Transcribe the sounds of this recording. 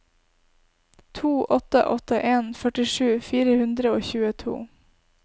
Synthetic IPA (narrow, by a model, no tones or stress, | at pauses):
t̪ʰuːʔɔt̪ə̰ʔɔt̪əʔeːnfœʈɪʂʉːfiːɾəhʉnd̪ɾəoːçʉːət̪ʰṵː